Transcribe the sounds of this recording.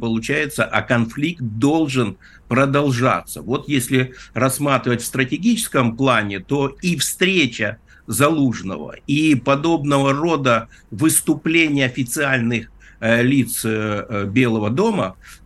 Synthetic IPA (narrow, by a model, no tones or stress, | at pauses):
pəlˠʊt͡ɕæjɪt̪səʔɐkɐnflʲikt̪̚d̪o̞lˠʐɨn | pɾəd̪ɐlˠʐa̰t̪sə̰vo̞t̪jesʲlʲɪrɐsmat̪ɾʲɪvətʲfst̪ɾətʲɪɡʲit͡ɕɪskəmplˠanʲɪt̪o̞ifst̪ɾʲet͡ɕə | zɐlˠuʐnə̰və̰ipɐd̪o̞bnəvəro̞d̪ə | vɨst̪ʊplʲenʲɪjəɐfʲɪt̪sɨalʲnɨx | lʲit̪sbʲe̞lˠəvəd̪o̞mə